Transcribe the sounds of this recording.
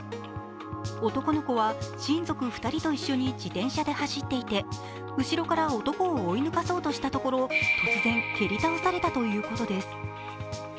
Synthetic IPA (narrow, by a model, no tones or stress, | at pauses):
o̞t̪o̞ko̞no̞ko̞βaɕĩnd͡zo̞kɯ̟ɸɯ̟̥t̪aɾʲit̪o̞iɕːo̞ɲ̟id͡ʑit̪ẽ̞ɰ̃ɕad̪e̞haɕit̪ːe̞it̪e̞ | ɯ̟ɕiɾo̞kaɾaot̪o̞ko̞ːinɯ̟kaso̞ːt̪oɕi̥t̪at̪o̞ko̞ɾo̞t̪o̞t͡sɨzẽ̞ŋkʲe̞ɾʲit̪aosaɾe̞t̪at̪o̞jɯ̟ːko̞t̪o̞d̪e̞sɨ̥